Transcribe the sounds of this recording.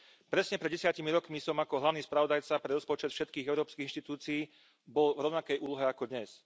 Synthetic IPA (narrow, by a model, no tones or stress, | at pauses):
pɾɛsɲɛpɾɛd̪ɟɛsɪacimiɾɔkmisɔmakɔɦlaʊniːspɾaʋɔd̪ajt͡sapɾɛɾɔspɔt͡ʃɛt̪fʃɛt̪̚kiːɣɛʊɾɔːpskiːinʃt̪it̪uːt͡siiː | bɔlvɾɔʊnakɛjuːlɔɦɛakɔd̪ɲɛs